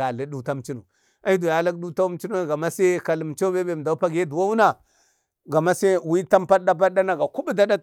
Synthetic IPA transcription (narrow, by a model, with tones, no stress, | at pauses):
a˨li˨˦du˦ta˦m˨t͡ʃi˦nu˨ | a˦i˦du˨ja˨la˦kdu˦ta˦m˦t͡ʃi˦nu˦ɡa˨ma˦se˦ka˨li˨m˨t͡ʃo˦be˦be˨m˨da˨u˦pa˦ɡe˦du˨wa˦wu˦na˨ | ɡa˨ma˦se˦wi˦ta˦mpa˦da˦p̬a˦da˦na˨ɡa˨ku˦bu˦da˦da˦